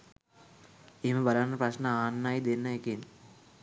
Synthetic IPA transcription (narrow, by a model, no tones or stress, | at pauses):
eməbalanːɐprɐʃnəaːnːajd̪enːɐeken